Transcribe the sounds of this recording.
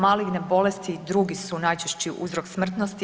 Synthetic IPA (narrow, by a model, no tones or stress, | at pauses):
maːliɡnebo̞lest̪id̪ɾuːɡisunajt͡ʃeʃt͡ɕiʔṵzɾoksmr̩t̪nost̪i